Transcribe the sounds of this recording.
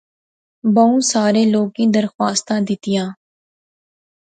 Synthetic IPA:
bəũːsaːɾeːloːkĩd̪əɾxwaːst̪ãd̪ɪt̪ɪjãː

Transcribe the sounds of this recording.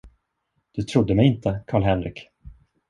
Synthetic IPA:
d̪̥ɵt̪ʰɾʊd̪ːəmɛjɪnt̪əkʰɑːɭɦɛnɾɪ̰ːk

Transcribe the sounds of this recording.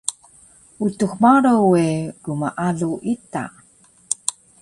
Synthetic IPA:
utuxmaɾoweɡuma̰ʔaɮuʔita̰

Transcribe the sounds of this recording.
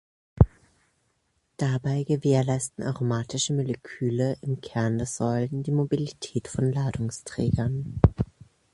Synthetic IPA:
d̥abaɪɡəveːɐlaɪstn̩ʔa̰ʁomaːtʰɪʃəmolekʰyːləʔɪmkʰɛɐndɛɐz̥ɔʏləndiːmobilitʰɛːtfɔnlaːdʊŋstʁ̥ɛ̰ːɡɐn

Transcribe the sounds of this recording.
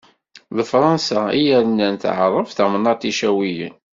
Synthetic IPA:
ðəfɾˤɑnsæijæɾnːænt̪ʕəɾˤəfθæmnːɑt̪iʃæwijə̰n

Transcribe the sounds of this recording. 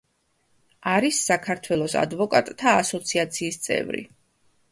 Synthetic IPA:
aɾisːakʰaɾt̪ʰwɛlˠɔsa̰d̪vɔkʼat̪ʼt̪ʰaːsɔt̪sʰiat̪sʰiːst̪sʼɛ̰vɾḭ

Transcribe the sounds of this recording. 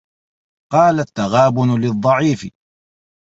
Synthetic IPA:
qɑːlat̪ːaɣaːbʊnlɪðˤːɑʕiːfɪ̰

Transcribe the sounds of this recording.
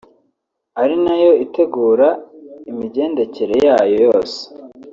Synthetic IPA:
aɾinajo̞ite̞ɡuːɾaimiɟe̞ːnde̞ceɾe̞jaːjo̞jo̞ːse̥

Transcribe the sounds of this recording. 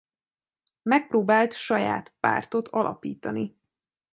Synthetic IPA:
mɛk̚proːbaːlt̪ʃɒja̰ːt̪pa̰ːrt̪o̞t̪ʰɒlʔɒ̰piːt̪ɒni

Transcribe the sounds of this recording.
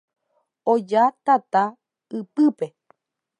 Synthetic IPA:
od͡ʒat̪at̪a | ɨpɨpe

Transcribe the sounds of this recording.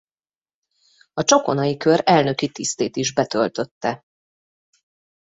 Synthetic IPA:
ɒt͡ʃo̞ko̞nɒjikø̞ɾɛlnø̞kit̪ist̪eːt̪iʒbɛt̪ø̞lt̪ø̞t̪ːɛ

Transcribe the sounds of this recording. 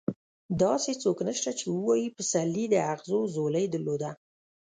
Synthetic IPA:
d̪ɑset͡soknəʃt̪at͡ʃewəwɑjipəsalːid̪əaɣzozoləjd̪əlod̪a

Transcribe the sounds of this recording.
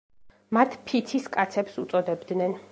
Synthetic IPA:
mat̪ʰpʰit̪ʰiskʼat̪sʰɛpsut̪sʼɔd̪ɛbd̪nɛn

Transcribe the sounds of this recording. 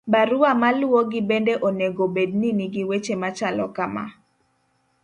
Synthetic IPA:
baɾʊamalʊoɡɪbendeʔoneɡobed̚niniɡɪwet͡ʃemat͡ʃalɔkama̰

